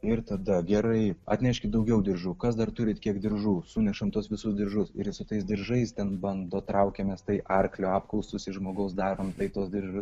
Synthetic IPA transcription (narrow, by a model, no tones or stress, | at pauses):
ɪrt̪ɐd̪ɐɡʲɛɾɐɪɐ̰t̪ʲnʲɛʃʲkʲɪtd̪ɐʊɡʲɛʊd̪ʲɪrʒuːkɐsd̪ɐrt̪ʊɾʲɪt̪kʲiɛkd̪ʲɪɾʒuːsuːnʲɛʃɐmt̪uɔsʋʲɪsʊsd̪ʲɪrʒʊsɪɾsʊt̪ɐɪsd̪ʲɪɾʒɐɪst̪ʲɛnbɐnd̪oːt̪ɾɐʊkʲɛmʲɛst̪ɐɪʔɐrklʲoːɑːpklˠɐʊstʊsɪʃʒmoːɡɐʊsd̪ɑːɾoːmt̪ɐɪt̪oːsd̪ʲɪrʒʊs